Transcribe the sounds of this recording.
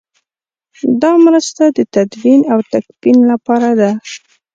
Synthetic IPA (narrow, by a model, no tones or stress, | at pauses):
d̪ɑmɾəst̪ad̪ət̪ad̪winawt̪akpinlapɑɾad̪a